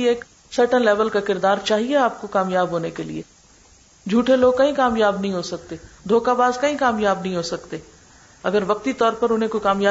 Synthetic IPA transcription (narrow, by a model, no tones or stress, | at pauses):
eːk | səɾʈənlɛːʋəlkakɪɾd̪aːɾt͡ʃaːɦieaːp̚kokaːmjaːbɦoːnekelḭḛː | d͡ʒʱuːʈeloːɡ̚kɐɦĩkaːmjaːbnɐɦĩɦosɐk̚t̪eːd̪ʱoːkabaːzkɐɦĩkaːmjaːbnɐɦĩɦoːsɐkt̪eː | ɐɡəɾʋɐk̚t̪it̪ɔːɾpɐɾʊnɦẽkoikaːmjaː